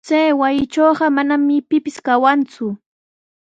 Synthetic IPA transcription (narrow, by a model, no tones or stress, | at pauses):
t͡sajwajɪt͡ʃoːɢɑmanamɪpɪpɪskawant͡sʊ